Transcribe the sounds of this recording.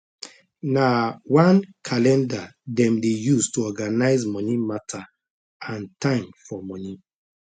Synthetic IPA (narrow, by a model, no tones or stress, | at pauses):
nawãnkʰalɛ̃ndadɛ̃mdejustuɔɡanaɪzmɔnimatʰa | ãntãɪ̃mfɔmɔni